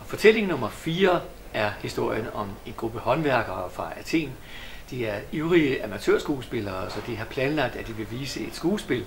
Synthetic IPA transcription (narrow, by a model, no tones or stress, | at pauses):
fɒ̽t͡sʰel̰e̝ŋnɔ̽mɐfiːɐ | æɐhisd̥o̝ɐ̰jənɒ̽me̝nɡ̥ʁub̥əhɒ̽nʋæɐɡ̥ɐːfʁɑ̈æt͡sʰe̝̰ːn | d̥iæɐyʊʁiəʔæmæt͡sʰø̰ɐ̰sɡ̥uːsb̥e̝lɐːsɒ̽d̥iɦɑ̈pʰlɛːnəlɑ̈ɡ̥̚d̥æd̥iʋe̝ʋiːsəe̝d̥sɡ̥uːsb̥e̝l